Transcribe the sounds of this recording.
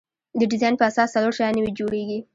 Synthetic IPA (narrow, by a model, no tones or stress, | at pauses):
d̪əɖɪzɑjnpəasɑsːaloɽʃajɑnewid͡ʒoɽeɡi